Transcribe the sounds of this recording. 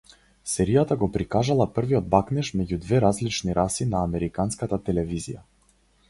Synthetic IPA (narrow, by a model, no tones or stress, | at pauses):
sɛɾijat̪aɡɔpɾikaʒalˠapr̩viɔd̪̚baknɛʃmɛɟud̪vɛɾazlit͡ʃniɾʔasinaːmɛɾikanskat̪at̪ɛlɛvizḭja̰